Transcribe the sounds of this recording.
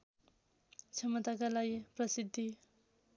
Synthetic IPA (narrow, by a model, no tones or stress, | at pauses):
t͡sʰʌmʌt̪akalaɡiprʌsid̪ʱːi